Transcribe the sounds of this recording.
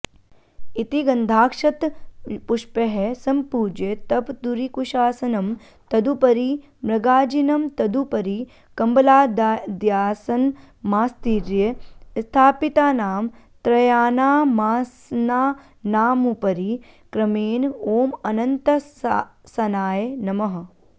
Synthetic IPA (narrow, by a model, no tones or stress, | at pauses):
it̪iɡɐnd̪ʱaːkʂɐt̪puʂpɐɦesɐmpuːd͡ʒɐt̪ɐpd̪uɾikuʃaːsɐnɐm | t̪ɐd̪upɐɾi | mɾɐɡaːd͡ʒinɐmt̪ɐd̪upɐɾi | kɐmbɐlaːd̪d̪jaːsɐn | maːst̪iːɾjɐst̪ʰaːpit̪aːnaːm | t̪ɾɐjaːnaːmaːsnaː | naːmupɐɾi | kɾɐmeːnoːmɐnɐnt̪ɐ | sɐnaːjenɐmɐɦɐ̆